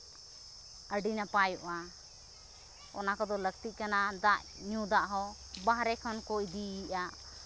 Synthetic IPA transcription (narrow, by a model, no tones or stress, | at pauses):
əɖinapajɔʔa | ɔ̰nakɔd̪ɔləɡ̚t̪iʔ̚ˀkanad̪aʔɲũd̪aʔɦɔ | baɦɾɛkʰɔnkɔʔd̪iiʔaʔ